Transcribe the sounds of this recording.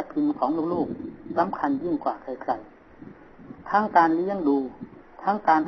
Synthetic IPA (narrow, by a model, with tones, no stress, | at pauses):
pʰi˧nkʰɔː˩˦ŋluː˧˩˨k̚loː˥˩k̚sa˨˦mkʰa˧nji˥˩ŋkwaː˨˩kʰa˧˩jkʰla˧˩j | t̪ʰaː˦˥ŋkaː˧nli˦˧˥əŋduː˧t̪ʰaː˦˥ŋkaː˧nʔ